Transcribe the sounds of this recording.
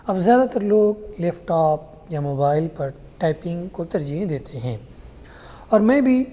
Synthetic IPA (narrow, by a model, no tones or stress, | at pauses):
ɐbzjaːd̪at̪ɐɾloːɡleːfʈaːp̚ | jamoːbaːɪlpɐɾ | ʈaːɪpɪ̃ŋɡkot̪ɐɾd͡ʒiɦẽd̪eːt̪ʰeɦɛ̃ː | ɔːɾmɛ̃ːbʱi